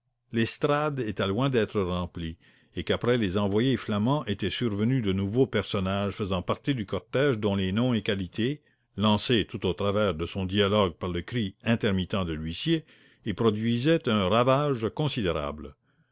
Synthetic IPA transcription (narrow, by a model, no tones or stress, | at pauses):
lɛst̪ɾad̪et̪ɛlwɛ̃d̪ɛːt̪ɾəʁɑ̃pli | ekapɾɛlezɑ̃vwajeflamɑ̃ʔet̪ɛsyʁvənyd̪ənuvopɛʁsɔnaʒfəzɑ̃paʁt̪id̪ykɔʁt̪ɛʒd̪ɔ̃lenɔ̃ekalit̪ʰe | lɑ̃set̪ut̪ot̪ɾavɛːʁd̪əsɔ̃d̪ialɔɡ̚paʁləkɾiɛ̃t̪ɛʁmit̪ɑ̃d̪əlɥisje | ilpɾɔd̪ɥizɛt̪ə̃ʁavaːʒkɔ̃sid̪eɾa̰blə